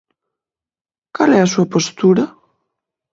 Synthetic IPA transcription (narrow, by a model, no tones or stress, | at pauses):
kalɛasuapost̪uɾɐ